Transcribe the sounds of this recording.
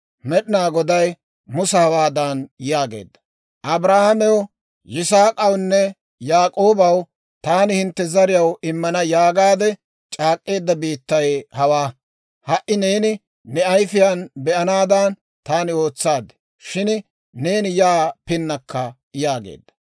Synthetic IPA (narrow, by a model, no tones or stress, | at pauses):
mɛɗɪnaːɡɔd̪ɐj | mʊsɐhɐwaːd̪aːnjaːɡḛːd̪ːɐ̥ | ʔɐbɾaːhɐmɛwɔ | jɪsaːkʼɐwnːɛ | jaːkʼo̞ːbɐw | t̪aːnɪhɪnt̪ːɛzɐɾɪjɐwɪmːɐnɐjaːɡaːd̪ɛ | t͡ʃʼaːkʼːe̞ːd̪ːɐbiːt̪ːɐjhɐwaː | hɐʔɪne̞ːnɪ | nɛɐjfɪjaːnbɛʔɐnaːd̪aːn | t̪aːnɪo̞ːt͡sːaːd̪ɛ̥ | ʃɪn | ne̞ːnɪjaːpɪnːɐkːɐ | jaːɡḛːd̪ːɐ̥